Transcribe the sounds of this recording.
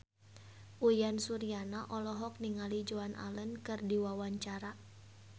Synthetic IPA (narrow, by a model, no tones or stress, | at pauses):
ʔujansuɾianaʔɔlɔɦɔk̚niŋalid͡ʒoanʔa̰lənkɨrdiwawaɲt͡ʃaɾa